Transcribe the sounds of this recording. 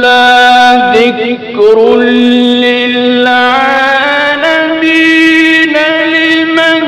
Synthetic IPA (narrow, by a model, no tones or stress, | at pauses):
laðɪk | ɾʊ | ɪ | lla | lami | nalɪma